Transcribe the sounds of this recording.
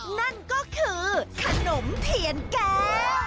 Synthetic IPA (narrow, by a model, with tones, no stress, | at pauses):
na˥˩nkɔː˥˩kʰɯː˧t̪ʰa˧no˨˦mt̪ʰi˨˩˦ənkɛː˧˩